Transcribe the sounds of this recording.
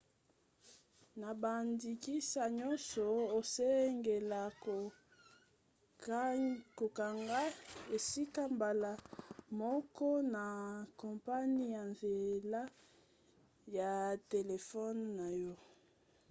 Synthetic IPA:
na˨ba˨ndi˨ki˦sa˨ɲɔ˦nsɔ˨o˨se˦ŋɡe˨la˨ | ko˨ka˨ŋɡa˦e˨si˦ka˦mba˨la˨mɔ˦kɔ˦na˨kɔ˨mpa˦ni˦ja˨nze˨la˦ | ja˨te˨le˨fɔ˦nːa˨jɔ˦

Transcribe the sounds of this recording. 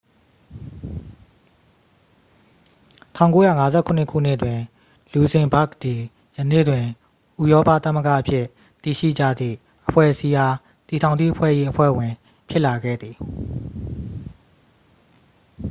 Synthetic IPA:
tʰã˦˨ʊ̃ŋko˨˦jä̰˦˨ŋa˦zɛ˦kʰʊ̃˨nɪ˦˨kʰṵ˦˨n̥ɪ˦ʔtwɪ̃˨ | lu˨zɪ̃˨ba˦k̚d̪i˨ | jənḛ˦˨dwɪ̃˨ | ʔu˦˨jɔ˦pa̰˦˨t̪a˦mə˦ɡa̰˦˨ʔəpʰjɪ˦˨ | t̪i˨ʃḭ˦˨d͡ʑä̰˦˨d̪ðḭ˦˨ | ʔəpʰwɛ̰˦˨ʔəsi˦ja˦ | t̪i˨tʰã˨ʊ̃ni˦ʔəpʰwɛ̰˦˨ʔi˦ʔəpʰwɛ̰˦˨wɪ̃˨ | pʰjɪ˦ʔla˨ɡɛ̰˦˨d̪ði˨

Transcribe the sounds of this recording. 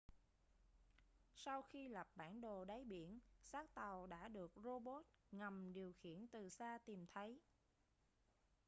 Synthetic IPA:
sa˧wxi˧la˨˩p̚ɓa̰ː˧˩nɗo˨˩ɗa˨˦jɓḭ˧˨ənsaː˦˥k̚t̪a˨˩wɗa̰ː˧˥ɗɨ˨˩ək̚zo˧ɓo˦˥t̚ŋa˨˩mɗi˨˩əwxḭ˧˥˨ənt̪ɨ˨˩saː˧t̪i˨˩mt̪ʰə˨˦j

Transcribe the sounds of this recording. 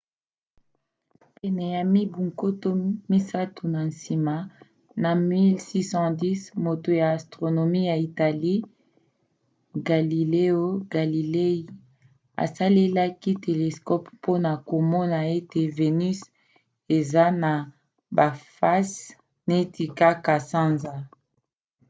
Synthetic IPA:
pɛ˨nɛ˨ja˨mi˦bu˨ŋko˦to˦mi˦sa˦tu˨na˨n˨si˨ma˨ | na˨mi˦lsi˦sɑ̃˦di˦smo˨to˨jaː˨stʁo˨no˨mi˦ja˨i˨ta˨li˦ | ɡa˨li˨le˦o˦ɡ̥a˨li˨le˦i˦ | a̰˨sa˦le˦la˦ki˦te˨le˨skɔ˦ppo˦na˨ko˨mɔ˦na˨e˦te˨ve˨ny˦s | e˨za˦na˨ | ba˨fa˦s | ne˦ti˨ka˦ka˨sã˦nza˦

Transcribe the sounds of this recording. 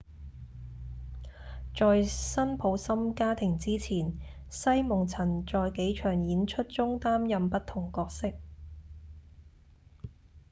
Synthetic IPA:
t͡ʃɔː˨˧jsɐ˥npʰo˨˥wsɐ˥mkaː˥t̪ʰɪ˨˩ŋt͡siː˥t͡sʰiː˨˩n | sɐ˥jmʊ˨ŋt͡sʰɐ˨˩nt͡ʃɔː˨jke˨˥jt͡ʃʰœː˨˩ŋjiː˨˥nt͡ʃʰɵ˥t̚t͡sʊ˥ŋt̪aː˥mjɐ˨mpɐ˥t̚t̪ʰʊ˨˩ŋkɔː˧k̚sɪ˥k̚

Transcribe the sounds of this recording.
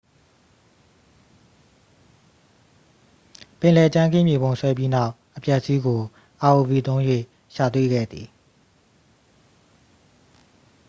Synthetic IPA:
pɪ̃˨lɛ˨t͡ɕã˦ŋɡɪ̰̃˦˨mje˨bõ˨ʊ̃sʰwɛ˦p̬ji˦na˦ʊ | ʔəpjɛ˦ʔəsi˦ɡo˨ | ʔa˨ʔo˨vi˨t̪õ˦ʊ̃jwḛ˦˨ | ʃa˨t̪̬wḛ˦˨ɡɛ̰˦˨d̪ði˨

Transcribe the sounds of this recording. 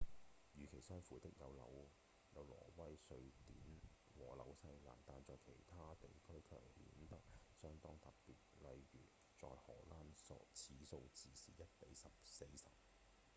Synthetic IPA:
jyː˨˩kʰe˨˩jsœː˥ŋfuː˨˥t̪ɪ˥k̚jɐ˨˧wlɐ̰˨˥w | jɐ˨˧wlɔ̰ː˨˩wɐ˥jsɵ˧ɥt̪iː˨˥n | wɔː˨˩lɐ̰˨˧˥wsɐ˧jla̰ː˨˩nt̪aː˨nt͡sɔː˨jkʰe˨˩jt̪ʰaː˥t̪e˨jkʰɵ˥ɥkʰœ̰ː˨˩ŋhḭː˨˥nt̪ɐ˥k̚sœː˥ŋt̪ɔː˥ŋt̪ɐ˨˩ppːiː˨t̚lɐ˨jɥyː˨˩ | t͡sɔ̰ː˨jhɔː˨˩laː˥nt͡sʰiː˨˥so˧wt͡siː˨sḭː˨˩jɐ˥t̚pe˨˥jsɐ˨p̚se˧jsɐ˨p̚

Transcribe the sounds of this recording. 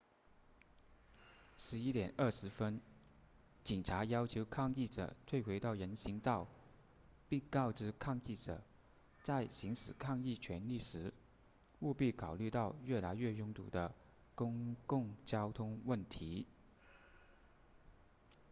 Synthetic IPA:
ʂɻ̩˧˥i˥t̪jɛ˨˩nə˥˩ʂɻ̩˧˥fə˥n | t͡ɕi˨˩ŋʈ͡ʂʰa˧˥jɑ˥ʊt͡ɕʰjo˧˥ʊkʰɑ˥˧ŋi˥˩ʈ͡ʂɤ̰˨˩t̪ʰwe˥˩ɪxwe˧˥ɪt̪ɑ˥˩ʊɻə˧˥nɕi˧˥ŋt̪ɑ˥˩ʊ | pi˥˧ŋkɑ˥˧ʊʈ͡ʂɻ̩˥˩kʰɑ˥˧ŋi˥˩ʈ͡ʂɤ̰˨˩˦ | t͡sa˥˩ɪɕi˧˥ŋʂɻ̩˨˩kʰɑ˥˧ŋi˥˩t͡ɕʰɥɛ˧˥nli˥˩ʂɻ̩˧˥ | u˥˧pi˥˩kʰɑ˨˩ʊly˥˧t̪ɑ˥˧ʊɥɛ˥˩la˧˥ɪɥɛ˥˩jʊ˥ŋt̪ṵ˨˩d̪ə˦ | kʊ˥ŋkʊ˥˧ŋt͡ɕjɑ˥ʊt̪ʰʊ˥ŋwə˥˩nt̪ʰi˧˥

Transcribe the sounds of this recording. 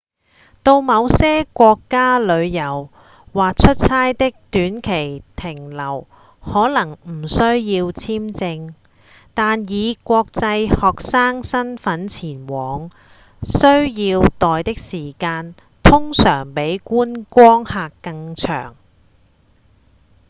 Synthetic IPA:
t̪o˧wmɐ˨˧wsɛː˥kʷɔː˧kːaː˥lɵ˨˧ɥjɐ˨˩w | waː˨k̚t͡ʃʰɵ˥t̚sʰaː˥jt̪ɪ˥k̚t̪yː˨˥nkʰe˨˩jt̪ʰɪ˨˩ŋlɐ˨˩w | hɔː˨˥lɐ˨˩ŋm̩˨˩sɵ˥ɥjiː˧wt͡sʰiː˥mt͡sɪ˧ŋ | t̪aː˨njiː˨˧kʷɔː˧k̚t͡sɐ˧jhɔː˨k̚saː˥ŋsɐ˥nfɐ˨˥nt͡sʰiː˨˩nwɔː˨˩ŋ | sɵ˥ɥjiː˧wt̪ɔː˨jt̪ɪ˥k̚siː˨˩kaː˧n | t̪ʰʊ˥ŋsœː˨˩ŋpe˨˥jkuː˥nkʷɔː˥ŋhaː˨˧kːɐ˧ŋt͡ʃʰœ̰ː˨˩ŋ

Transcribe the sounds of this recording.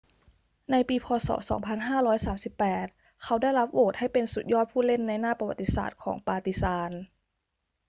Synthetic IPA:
na˧jpiː˧pʰɔː˧sɔ̰ː˩˦sɔː˩˦ŋpʰa˧nɦaː˥˩ɾɔː˦˥jsaː˩˦msi˨˩pːɛː˨˩t̪̚ | kʰa˦˥wda˥˩jla˦˥p̚ʔoː˨˩t̪̚ha˥˩jpe˧nsu˨˩t̪̚jɔː˥˩t̪̚pʰuː˥˩le˥˩nːa˧jnaː˥˩pa˧wa˨˩t̪ːi˧˥sa̰ː˨˩t̪̚kʰɔ̰ː˩˦ŋpaː˧t̪i˧˥saː˧n

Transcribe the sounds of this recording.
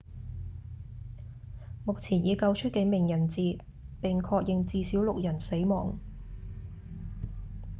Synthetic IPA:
mʊ˨k̚t͡sʰiː˨˩njiː˨˧kɐ˧wt͡ʃʰɵ˥t̚kɛ˨˧˥mɪ˨˩ŋjɐ˨˩nt͡siː˨ | pɪ˨ŋkʰɔː˧k̚jɪ˨ŋt͡siː˧siː˨˥wlʊ˨k̚jɐ˨˩nse˨˥jmɔː˨˩ŋ

